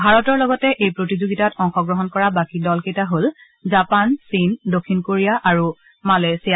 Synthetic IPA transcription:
bʱaɹɔtɔɹlɔɡɔtɛʔejpɹotizoɡitatɔŋxɔɡɹɔɦɔnkɔɹabakidɔlketaɦol | zapansindokʰːinkoɹijaʔaɹu | malesija

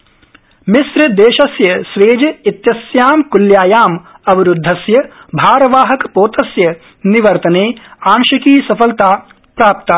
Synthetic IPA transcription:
mɪsɾɐd̪eːʃɐsjɐsʋeːd͡ʒɐit̪jɐsjaːmkuljaːjaːm | ɐbʱiɾʊd̪ʱːɐsjɐbʱaːɾɐʋaːɦɐkpoːt̪ɐsjɐ | niʋɐɾt̪ɐneːaːŋʃɐkiːsɐfɐlt̪aː | pɾaːp̚t̪a

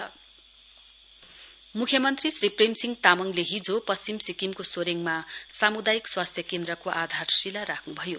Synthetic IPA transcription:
mukʰjʌmʌnt̪risripremsiŋɡt̪amʌŋleɦid͡zopʌsimsikimkosoɾeŋmasamud̪ajikswast̪ʰjʌkend̪rʌkoʔad̪ʱarsilaɾakʰnubʱʌjo

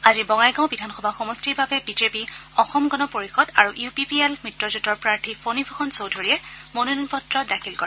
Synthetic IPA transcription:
azibɔŋajɡãʊ̃bidʱanxɔbʱaxɔmɔstiɹbabɛbizepiɔxɔmɡɔnɔpoɹixɔdaɹuʔjupipiɛlmɹitɹɔzutɔɹpɹaɹtʰipʰonibʱɔxʰɔnsowdʱoɹiɛmonuninpɔtɹɔdakʰilkɔɹɛ

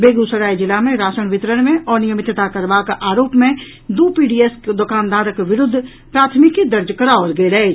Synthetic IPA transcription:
beːɡusəɾaːid͡ʒɪlamẽɾaːsəɳ̃ʋɪt̪ɾəɽmẽʔɔːɾnɪjəmɪt̪t̪akəɾbakʔaːɾoːpmẽ | d̪uːpiːɖiːɛskd̪okaːnd̪aːɾəkʋɪɾʊd̪ʱː | pɾaːt̪ʰmɪkːid̪əɾd͡ʒkəɾaɔːɾɡeɾɐɦe

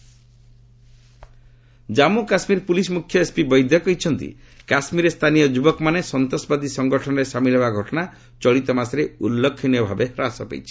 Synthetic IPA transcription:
d͡ʒamukasmiɾpulismukʰjɔespibɔjd̪ʱjɔkɔɦit͡ʃʰɔnt̪ḭ | kasmiɾest̪ʰanijɔd͡ʒubɔkɔmanesɔnt̪ɔsɔbad̪isɔŋɡɔʈʰɔnɔɾesamilɦebaɡʱɔʈɔna | t͡ʃɔɭit̪ɔmasɾeulːɔkʰːinjɔbʱabehɾasɔpḛjt͡ʃʰi̥

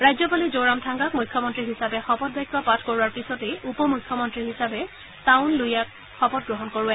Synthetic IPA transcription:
ɹajzɔpalizoɹamtʰaŋɡak̚mujkʰːɔmɔntɹiɦisabɛxɔpɔt̚bɔjkːɔpatʰkoɹuwaɹpisɔtejupɔmujkʰːɔmɔntɹiɦisabɛ | taʊ̃nlujak | xɔpɔt̚ɡɹɔɦɔnkoɹʊɛ

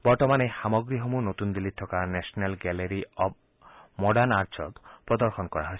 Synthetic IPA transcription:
bɔɾt̪ɔmanexamɔɡɾiɦɔmunot̪und̪ilːit̪ʰːɔkanesɔnalɡɛleɾiɔb̚ʰ | mɔɖanaɾd͡ʒɔkpɾɔd̪ɔɾxɔnɔkɔɾa̰ɦɔj

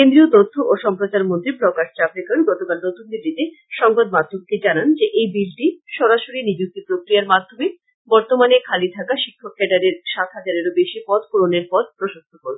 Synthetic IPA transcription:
kend̪ɾiot̪ot̪ʰːoʔoʃɔmpɾot͡ɕaɾmont̪ɾiblɔkaʈ̚t͡ɕapɾekaɾɡɔt̪okalnot̪unbilɖit̪e | ʃɔŋɡod̪mad̪ʱob̚ked͡ʑanand͡ʑeʔejbilʈiʃɔɾaʃoɾinid͡ʑuk̚t̪ipɾokɾijaɾmad̪ʱːome | bɔɾt̪omanekʰalit̪ʰakaʃikʰːokːɛʈaɾeɾʃat̪ɦad͡ʑaɾeɾobeʃipɔd̪̚koɾoneɾpɔd̪̚pɾoʃost̪ʰokoɾ

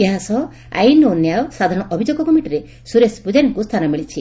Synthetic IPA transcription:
eɦasɔ | a̰jnonjawsad̪ʱaɾɔɽ̃ɔʔɔbʱid͡ʒoɡɔkɔmiʈiɾe | suɾesbud͡ʒanikust̪ʰanɔmiɭit͡ʃʰi

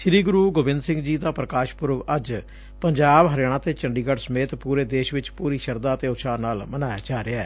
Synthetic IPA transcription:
ʃɾiːɡʊɾuːɡʊbɪ̃nd̪sɪ̃ŋɡd͡ʒiːd̪aːpɾəkaːʃpʊɾʋəd͡ʒ | pəɲd͡ʒaːbɦəɾjaːɽ̃ãːt̪eːt͡ʃəɳɖiːɡəɖsəmeːt̪puːɾeːd̪eːʃʋɪt͡ʃpuːɾiːʃəɾd̪aːət̪eːʊʃʰaːnaːlmənaːjaːd͡ʒaːɾeaː

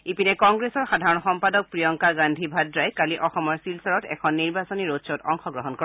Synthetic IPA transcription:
ipinɛkɔŋɡɹesɔɹxadʱaɹɔnxɔmpadɔk̚pɹijɔŋkaɡandʱibʱadɹajkaliʔɔxɔmɔɹsilsaɹɔtɛ̰kʰɔnːiɹbasɔniɹosɔtɔŋxɔɡɹɔɦɔnkɔ

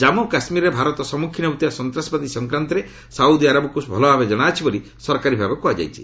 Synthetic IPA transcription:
d͡ʒamɔkasmiɾɔebʱaɾɔt̪ɔsɔmukʰinɔut̪ijasɔnt̪ɾasɔpad̪isɔŋkɾant̪ɔɾe | saud̪iaɾabɔkusbʱɔlɔbʱabed͡ʒɔɽ̃aːt͡ʃʰibɔli | sɔɾkaɾibʱabɔkuɦad͡ʒa̰jt͡ʃʰi̥̰

